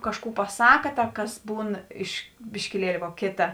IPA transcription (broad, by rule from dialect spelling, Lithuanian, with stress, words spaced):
ˈkɑːʃˌkuː pɐˈsɑːkɐ ˈtɐ ˈkɐs ˈbuːn ɪʃ bʲɪʃʲkʲɪˈlʲiɛlʲɪ ʋoː ˈkʲeːtɐ